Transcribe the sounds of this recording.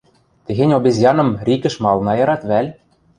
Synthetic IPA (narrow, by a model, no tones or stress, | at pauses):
t̪ɘ̆ɣenʲobezʲjɑnɤ̆mrʲikɘ̆ʃmɑlˠnɑjɑɾɑt̪βælʲ